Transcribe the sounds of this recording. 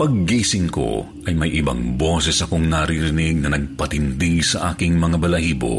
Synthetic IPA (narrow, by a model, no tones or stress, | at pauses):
pɐɡ̚ːiːsɪŋko̞̰ | ʔɐjmɐjʔɪbɐ̰ŋbo̞ːsɛsɐko̞ŋnɐɾiɾɪnɪɡ̚nɐnɐɡ̚pɐt̪ɪnd̪iɡsɐʔaːkɪŋmɐŋabɐlɐhiːbo̰